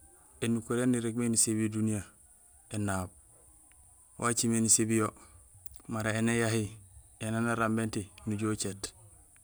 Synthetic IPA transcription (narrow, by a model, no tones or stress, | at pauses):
enukuɾenːiɾeɡmenisebiodunija | enːaːb̚ | wʔat͡ʃimenisebijo | maɾaenejaɦi | enanaɾambentinuɟoːt͡ʃet